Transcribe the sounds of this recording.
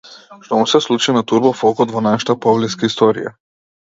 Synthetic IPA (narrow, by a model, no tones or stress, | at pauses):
ʃt̪ɔmusɛslˠut͡ʃinat̪uɾbɔfɔkɔt̪vɔnaʃḁt̪apɔvlɛskaist̪ɔɾḭja̰